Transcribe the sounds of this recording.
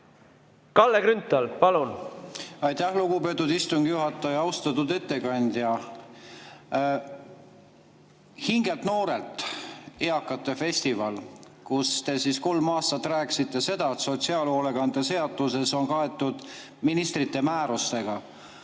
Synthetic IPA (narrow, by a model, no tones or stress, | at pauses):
kɑlːekɾynt̪ːˑɑlpɑlun | ɑjt̪ːæhluɡ̥upe̞t̪ːˑud̪ist̪uŋɡ̥juɦɑt̪ːˑɑjɑɑwst̪ɑt̪ːud̪e̞t̪ːe̞kɑnʲd̪̥jɑ | hiŋɡe̞lt̪no̞ːɾe̞lt̪ˑeɑkːˑɑt̪ːe̞fe̞sʲt̪ivɑl | kust̪e̞sisko̞lmɑːst̪ɑt̪ːˑræːksit̪ˑːe̞se̞d̪̥ɑet̪so̞t̪ʲsiɑːlolekɡɑnd̪ese̞ɑd̪ˑuse̞so̞nkɑe̞t̪ːˑud̪̥ | minist̪rit̪ːe̞mæːɾust̪e̞ɡ̥ɑ